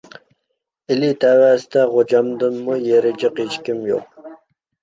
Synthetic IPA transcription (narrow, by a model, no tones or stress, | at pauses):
ɪlit̪ʰæwæsɪ̥t̪ɛʁod͡ʒɑmd̪ɨnmujeɾɪd͡ʒɪqet͡ʃkʲimjo̰q̚